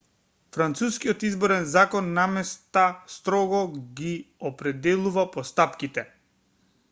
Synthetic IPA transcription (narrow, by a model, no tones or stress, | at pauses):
fɾant̪suskiɔt̪izbɔɾɛnzakɔnːamɛst̪ast̪ɾɔɡɔɡiɔpɾɛd̪ɛlˠuvapɔst̪apkit̪ɛ